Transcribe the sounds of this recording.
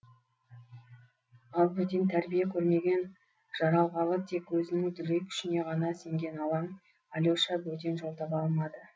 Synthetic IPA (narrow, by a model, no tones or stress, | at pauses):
ɑlˠbɵd̪e̞nt̪ʰæɾbijekʲʰɵɾme̞ɡʲe̞n | ʒ̥ɑɾɑlˠʁɑlˠəq̚t̪ʰe̞kwɵzɪnɪŋd̪ʏɾe̞kʲʰʏ̥ʃɪne̞ʁɑnɑse̞ŋɡʲe̞nɑlˠɑɴ | ɑlʲoʃɑbɵd̪e̞nʒo̞lˠt̪ɑpɑlˠmɑd̪ə